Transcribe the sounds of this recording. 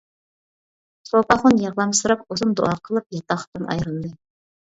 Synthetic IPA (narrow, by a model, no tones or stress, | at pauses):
sopɑχʊnjɑʁlˠɑmsɨɾɑkuzɨnd̪o̰ɑqʰəlˠɨp̚jɑt̪ɑχt̪ɨnʔɑ̰jɾɨnɨd̪ɨ